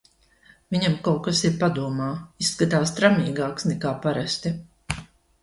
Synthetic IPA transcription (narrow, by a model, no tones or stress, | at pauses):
vʲiɲamkawkasiɾpad̪uɔmaːisːkat̪aːst̪ɾamʲiːɡaːksnɛkaːpaɾast̪i